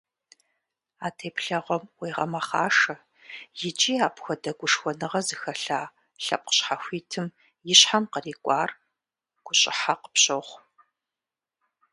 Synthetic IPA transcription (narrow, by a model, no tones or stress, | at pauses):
aːtʰeːpɬɐʁʷɔmweːʁɐ̰mɐχaːʂɐ | jɪt͡ʃʼiːaːpxʷɔdɐɡʷʊʂxʷɔnɨʁɐzɨxɐɬaː | ɬɐ̰p̚ʼqə̥ɕħaxʷiːtʰɨm | jɪɕħanqəriːkʷʼɑːr | ɡ̥ʷʊɕʼɪ̰ħaqə̥pɕʼoχʷ